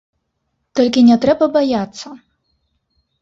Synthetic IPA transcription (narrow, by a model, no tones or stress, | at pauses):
t̪ɔlʲkʲinʲɛt̪ɾɛbɐbajat̪sːɐ